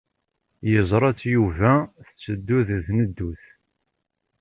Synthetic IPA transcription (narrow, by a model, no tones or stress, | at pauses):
jəzˤɾˤɑt͡sːjuvæθət͡sːəd̪ːuððnəd̪ːuθ